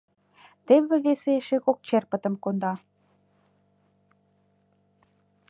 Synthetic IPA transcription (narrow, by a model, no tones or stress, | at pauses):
t̪eβĕβeseʃeɣok̚t͡ɕerpə̆t̪ə̆mkond̪ɑ